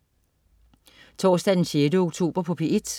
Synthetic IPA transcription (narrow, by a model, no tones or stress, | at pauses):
t͡sʰɒ̰ːsd̥æd̥enɕeːdəoɡ̥̚t͡sʰo̝̰ːb̥ɐpʰɒ̽pʰe̝ed̥